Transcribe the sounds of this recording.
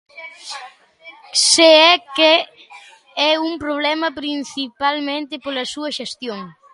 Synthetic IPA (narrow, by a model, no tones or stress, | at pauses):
seɛke | ɛumpɾoβ̞lɛmɐpɾin̟θipalmẽnt̪ɪpolɐsuɐʃest̪joŋ